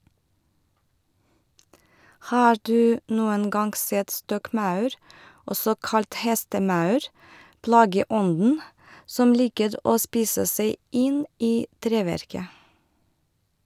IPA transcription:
ˈhɑːɹ ˈdʉː ˈnuːən ˈɡɑŋɡ ˈsɛt ˈstɔkˌmɑʉɾ ˈɔsɔ ˈkɑlt ˈhɛstəˌmɑʉɾ ˈplɑːɡəˌɔndn̩ ˈsɔm ˈliːkəɾ ˈʔoː ˈspiːsə ˈseɪ ˈʔɪn ˈʔiː ˈtɾeːʋæɾkə

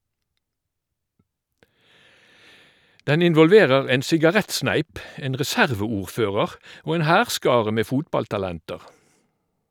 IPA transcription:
ˈdɛn ɪnʋɔlˈʋeːʁəʁ ˈeːn sɪɡɑˈʁɛtˌsnæɪp ˈeːn ʁɛˈsæʁʋəˌuːʁˌføːʁəʁ ˈoː ˈeːn ˈhæːʁˌskɑːʁə ˈmeː ˈfuːtbɑltɑˌlɛntəʁ

